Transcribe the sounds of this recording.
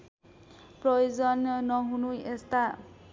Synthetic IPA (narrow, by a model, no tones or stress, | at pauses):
prɔjozɔnːʌɦunuest̪a